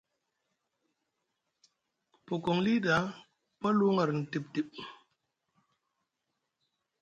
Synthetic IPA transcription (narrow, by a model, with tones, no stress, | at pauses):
po˨ko˨ŋli˦ɗa˨˦ | pa˦lu˦ŋa˨ɾn̩˨ti˨p̚ti˨p̚